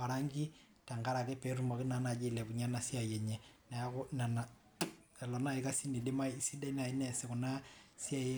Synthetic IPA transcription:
wa˨ɾa˦ŋɡi˦ | ta˨ŋɡa˦ɾa˨kɛ˦pɛ˨ɾu˨ma˨kɪ˦na˨na˨d͡ʒe˦˨lɛ˨ku˨ɲa˦na˨si˦a˨jɛ˨ɲɛ˨na˨ja˦kɔ˦na˨na˨ | ɛ˨lɔ˨na˦i˦ka˦si˦ni˨de˦ma˦isi˦da˦i˦na˨i˦nɛ˨sɛ˨ku˨na˦si˦a˦

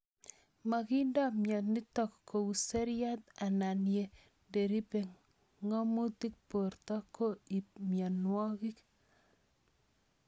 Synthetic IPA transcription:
ma˨ki˦nda˦mjɔ˨nɪ˦tɔ˦˨kːo˨u˨se˦ɾja˦t̪a˨na˨nje˨ | de˨ɾi˦pe˨ŋ | ŋɔ˦mo˦t̪i˦k̚po˨ɾt̪ɔ˦kːo˦i˨mjɔ˨nwɔ˦ki˦k

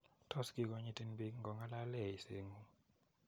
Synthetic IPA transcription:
tʰɔ˦˨ski˨k̬ɔ˨ɲi˦˨ti˦nbi˦ŋɡɔ˨ŋa˦la˦lɛ˦˨i˨sḛː˦˨ŋu˦

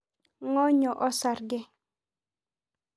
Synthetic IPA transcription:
ŋɔ˦ɲɔ˨ʔɔ˦sa˨ɾɡɛ˦

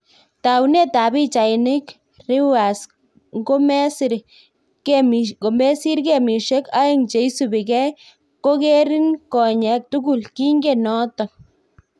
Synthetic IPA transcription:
t̪a˨wne˦t̪a˨bi˦t͡ʃa˨jni˦k | ri˦wa˨s | ŋɡo˦me˦si˦ɾ | ke˦mko˨me˦si˦ɾke˦mi˨ʃe˦ka˦i˦ŋt͡ʃe˧jsu˦bi˨ɡe˦ | ko˦ɡe˦ɾi˦nko˨ɲe˧˦k̚t̪u˦ɡu˦lki˦ŋɡe˦no˦t̪a˨k̚

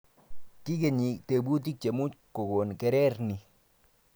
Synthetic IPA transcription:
ki˦ke˨ɲi˨te˨bu˦t̬i˦k̚t͡ʃe˨mu˦t͡ʃko˨ɡo˨nkɛ˨ɾɛ˦ɾnɪ˨

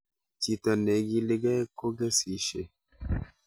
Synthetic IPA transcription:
t͡ʃi˨tɔ˨ne˨˦ɡi˦lɪ˦ɡɛ˦ko˦ɡɛ˦si˨ʃḛ˨

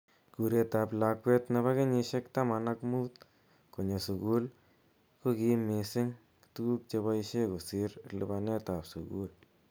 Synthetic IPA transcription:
ku˨ɾje˧t̪a˨pla˨˧kwe˦t̪na˧βa˦kɪ˦ɲɪ˧ʃe˦kt̪a˦ma˨na˧kmu˦t̪ | ko˨ɲo˨su˨ɣu˦l | ko˦ki˧˦mɪ˨sɪ˦ŋ | tu˦ɡu˦k̚t͡ʃe˧βa˦i˧ʃe˦ku˨sɪ˦ɾlɨ̰˧˨ba˧ne˦t̪a˨psṵ˨ɣṵ˦l

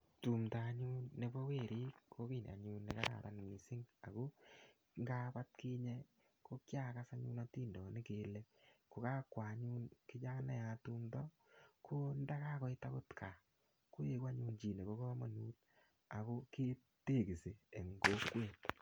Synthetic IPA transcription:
tu˨mta˨˦ɲu˦nːe˨˦bɔ˦we˦˨ɾi˦kʰo˦ki˨na̰˨ɲuː˧˦nːe˨ka˦ɾa̰˨ɾʔa̰˨nmi˨sɪ˦ŋa̰˨ko˦ | ŋɡa˦pa˦t̚kiː˦ɲɛ˦ | ko˦kja˦ka˦sa˦ɲu˦na˦tiː˦ndɔ˨nɪ˦keː˦lɛ˦ko˨ka˦kwa˨ɲu˦nkɪ˦d͡ʒa˦na̰˦˨ja˨tuː˦mtɔ˦ | kʰo˦nda˦ka˦kɔ˨˦ɪ˦ta˦ko˦tkʰa˨ | ko˦je˦kwa˦ɲuː˦nd͡ʒi˨ne˨ko˦ko˦ma˨nuː˦t | a˨ko˦ke˦ | te˦˨ki˨se˨e˨ŋɡo˦kweː˦˨t

